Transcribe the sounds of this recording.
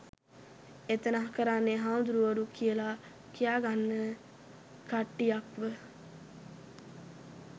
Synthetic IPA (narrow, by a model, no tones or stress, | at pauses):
et̪ənaɦkəɾanːeɦaːnd̪uɾuʋəɾukʰijəla | kijaːɡanːə | kaʈːijakʋə